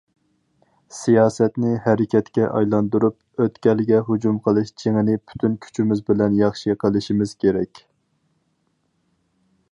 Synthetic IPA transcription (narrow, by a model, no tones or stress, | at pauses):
sijɑːsɛt̪nɪɦɛɾɪkʲʰɛt̪kʲɛʔɑ̰jlˠɑnd̪uɾup̚ | øt̪kʲɛlɪɡʲɛɦud͡ʒumqʰəlˠɨʃt͡ʃʰeŋɪnɪpʰy̥t̪ʰynkʲʰy̥t͡ʃʰimɪzbɪlɛnjɑχʃiqʰəlˠɪʃimɪz̥kʲʰeɾɛkʲ